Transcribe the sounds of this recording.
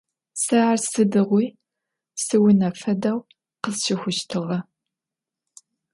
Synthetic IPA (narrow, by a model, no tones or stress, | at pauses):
sɐarsɨdɨʁʷuj | sɨwʊnɐfɐdɐw | qəzʃɪxʷʊʃtʰɨʁɐ